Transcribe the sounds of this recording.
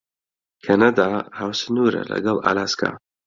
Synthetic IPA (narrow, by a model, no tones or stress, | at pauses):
kʰanad̪ahaːwsɨnuɾɐ̰lɐ̰ɡɐlˠa̰laskʰa̰